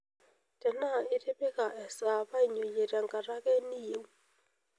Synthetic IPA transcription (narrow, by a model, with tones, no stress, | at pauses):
tɛ˨na˦˨ɪ˦ɾe˦be˦ka˨ʔɛ˨sa˨pa˦i˨ɲo˨je˨ɾja˨ŋɡa˨ɾa˦kɛ˦ni˦je˨w